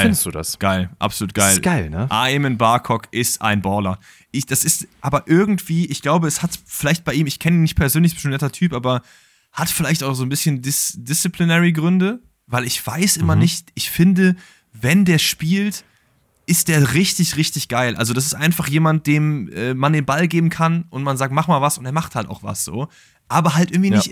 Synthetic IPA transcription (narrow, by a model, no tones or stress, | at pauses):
ɪndsd̥ṵːda̰sɡ̥aɪlʔa̰pz̥oluːt̚ɡ̥aɪlɡ̥aɪlnəʔa̰ːɛmənbaɐkʰɔkʔɪstʔa̰ɪnbɔɐlɐ | ʔɪçd̥asɪstʔaːbɐʔɪɐɡŋ̩tv̥iːʔɪçɡ̥laʊbəɛshatfɪlaɪçt̚b̥aɪiːmɪçkʰɛnəiːnːɪçt̚pʰɛɐzøːnlɪçsʃønːɛtɐtʰyːpʔaːbɐ | hatfɪlaɪçtaʊxz̥oːnbɪsçəndɪsd̥ɪst͡sipʰlinɛʁiɡʁʏndə | vaɪlɪçv̥aɪsʔɪmɐnnɪçtʔɪçfɪndə | vɛndeːɐʃpiːlt | ʔɪst̚d̥eːɐʁɪçtɪçʁɪçtɪçɡ̥aɪlʔa̰lzodas̬ɪstʔaɪnfaχjeːmant̚d̥eːmʔɛːmandeːnbalɡeːbm̩kʰanʔʊntmanzaːk̚tmaχmaːlvasʊnteːɐmaχthalta̰ʊxv̥a̰sz̥o̰ː | ʔaːbɐɦalt̚ɪɡŋ̩tv̥iːnɪç